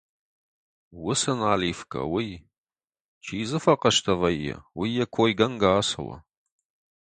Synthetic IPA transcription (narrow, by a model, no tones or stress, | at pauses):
wʊsɐnaːliːfkʰʼɐ̰wij | t͡ʃʰiːzɨfɐqɐʃtʰɐvɐjːɛ̰wijɐkʷʰoːjɡɐnɡaːsɐ̰wɐ̰